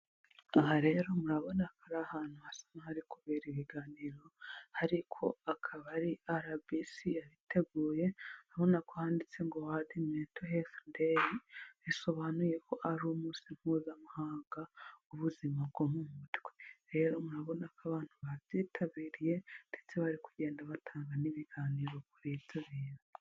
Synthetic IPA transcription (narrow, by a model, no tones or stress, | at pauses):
aɦaɾe̞ɾo̞muɾaβo̞nakʰaɾahaːn̥huasḁmahaɾikuβeɾiβiɡaːniɾo̞haɾikʰo̞akʰaβaɾiaɾabisijaɾitʰe̞ɡuːje̞aβo̞nakohaːndit͡se̞ŋɡo̞wadimeːtohefndeɾiiso̞βanuje̞ko̞ʔaɾuːmuːsiŋ̥huːzamahaːŋɡauβuzimabɡomumutɡweɾe̞ːɾo̞muɾaβo̞nakaβaːn̥huβaβɟiːtʰaβiːɾije̞nd̥e̞t͡seβaɾikuɟe̞ːndaβatʰaːŋɡaniβiɡaːniːɾo̞kuɾit͡siβiːna